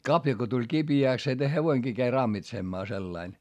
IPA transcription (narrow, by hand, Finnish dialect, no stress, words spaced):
kɑpjɑ ko tulʲ kib̥iæˑks se heʋoiŋɡ̊iː kæi rɑmːitsemːɑː selːɑin